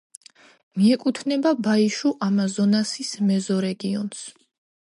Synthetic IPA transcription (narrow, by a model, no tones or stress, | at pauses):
miɛkʼut̪ʰnɛbabaiʃuʔamazɔnasismɛzɔɾɛɡiɔns